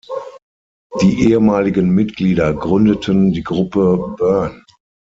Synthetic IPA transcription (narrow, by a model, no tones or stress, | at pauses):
d̥iːʔeːəmaːlɪɡənmɪtɡ̥liːdɐɡʁʏndətʰəndiːɡʁʊpəbœɐn